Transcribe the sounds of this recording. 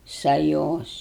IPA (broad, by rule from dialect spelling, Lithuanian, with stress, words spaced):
sɐˈjoːs